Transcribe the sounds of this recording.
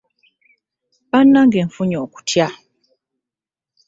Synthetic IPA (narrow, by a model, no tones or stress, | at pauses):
βanːaŋɡeːɱfuɲoːku̥tʰja